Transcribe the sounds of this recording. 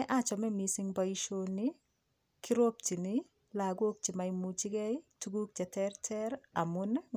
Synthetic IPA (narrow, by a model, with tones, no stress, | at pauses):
ɛ˦ʔa˦t͡ʃɔ˨mɛ˦mi˨sɪ˦ŋba˦i˦ʃo˦nɪ˦ | ki˦ɾo˦k̚t͡ʃi˨nɪ˦ | la˨ɡwo˦k̚t͡ʃi˨ma˨imu˨t͡ʃi˦ɡɛ˦tu˦ɡu˦k̚d͡ʒɛ˨tɛrtʰɛ˦ɾa˨mʊ˦n